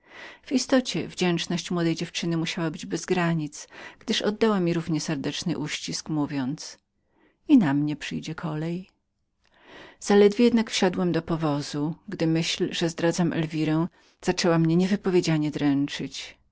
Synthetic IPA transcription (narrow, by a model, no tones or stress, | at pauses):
v̥ist̪ɔt͡ɕɛvd͡ʑɛnt͡ʂnɔɕt͡ɕmwɔd̪ɛjd͡ʑɛft͡ʂɘnɘmuɕawabɘd͡ʑbɛzɡɾaɲit̪sɡ̥d̪ɘʂɔ̰d̪ːawamʲiɾuvɲɛsɛɾd̪ɛt͡ʂnɘ̰ʔuɕt͡ɕiskmuvʲjɔnt̪s | inamɲɛpʂɘjd͡ʑɛkʰɔlɛj | z̥alɛd̪vʲjejɛd̪nakfɕad̪wɛmd̪ɔpɔvɔzuɡd̪ɘmɘɕlʐɛzd̪ɾad̪zamʔɛ̰lvʲiɾɛ̃ | z̥at͡ʂɛwamɲɛɲɛvɘpɔvʲjed͡ʑalɲɛd̪ɾɛnt͡ʂɘt͡ɕ